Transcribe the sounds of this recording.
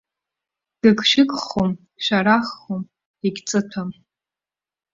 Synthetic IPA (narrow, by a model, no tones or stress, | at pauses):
d̥ɨkʰʼʃɪkʼχom | ʃʷᶣaɾaχːum | iɡʲt͡sʼɨtʰam